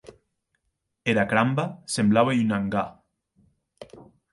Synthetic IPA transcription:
eɾakɾambasemblaβaynaŋɡa

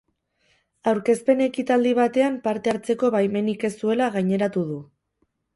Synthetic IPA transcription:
awɾke̞spe̞ne̞kit̪ald̪iβat̪e̞ampaɾt̪e̞aɾt͡se̞ko̞βajme̞nike̞sue̞laɣajɲe̞ɾat̪uð̞u

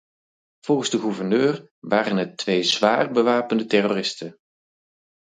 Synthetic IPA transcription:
v̥ɔlˠχənzdəχuvəɹnøːr | ʋaːrənətʋejzʋaːrbəʋaːpəndətɛroːrɪstən

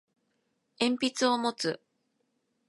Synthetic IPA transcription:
ẽ̞mpʲit͡sɨo̞mo̞t͡sɨ

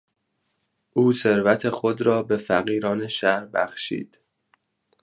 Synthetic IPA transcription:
ʔuːse̞ɾvæt̪ʰe̞xod̪ɾɒːbe̞fæɣiːɾɒːne̞ʃæɾbæ̰xʃḭːd̪̥

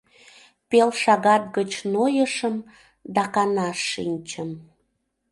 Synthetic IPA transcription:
pelʃɑɣɑt̪̚ɡət͡ɕnojəʃəm | d̪ɑkɑnɑʃːinʲt͡ɕəm

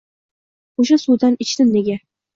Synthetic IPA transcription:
oʃasud̪anɪt͡ʃt̪ɪnneɡʲa

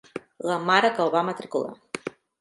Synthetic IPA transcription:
ɣamaɾakaoβamat̪ɾikolˠa̰

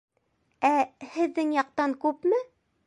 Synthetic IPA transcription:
æhɘ̆ðːɘŋjɑq̚t̪ɑŋkʉpmɘ

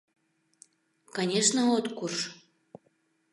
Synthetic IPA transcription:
kanʲeʃnəot̪kuʃ

